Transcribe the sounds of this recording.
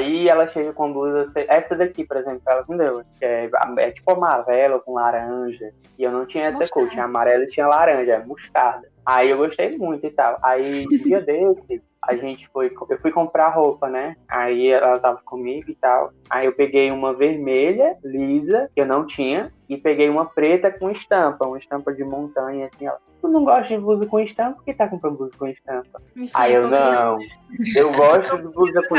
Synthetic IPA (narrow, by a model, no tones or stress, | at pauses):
aiɛlɐʃeɡɐkõɐ̃bluzɐoseʔɛsɐd̪ɐkipɔɾezẽmplʊɛlɐkõd̪ewkɪɛa̰ɛ̰t͡ʃi̥pʊamaɾɛlɐkõlaɾɐ̃ʒɐ | ɪewnɐ̃w̃t͡ʃĩɲɐɛsɐkot͡ʃĩɲɐamaɾɛlɪt͡ʃĩɲɐlaɾɐ̃ʒɐɛɐmuʃkad̪ɐaiewɡoʃt̪ejmũj̃t̪ʊit̪awʔaid͡ʒiɐd̪esɪ | a̰ʒẽt͡ʃɪ̥fojkewfujkõmpɾaɦopɐnɛa̰iɛɛlɐt̪avɐkõmiɡʊɪt̪aw | a̰iewpeɡejũmɐveɾmeʎɐlizɐkɪewnɐ̃w̃t͡ʃĩɲɐ | ɪpeɡejũmɐpɾet̪ɐkõiʃt̪ɐ̃pɐũmɐɪʃt̪ɐ̃pɐd͡ʒɪmõnt̪ɐ̃ɲɐsĩɛ̰lɐt̪unɐ̃w̃ɡɔʃt̪ʊd͡ʒɪbuzʊkõiʃt̪ɐ̃po̥ket̪akõpɾɐ̃nd̪buzʊkõiʃt̪ɐ̃pɐa̰iewnɐ̃w̃ewɡɔʃt̪ʊd͡ʒɪbuzɐkõ